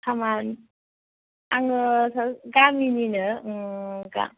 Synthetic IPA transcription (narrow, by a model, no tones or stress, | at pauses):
kʰaman | aŋɯsaɡamininɯ | ɡa̰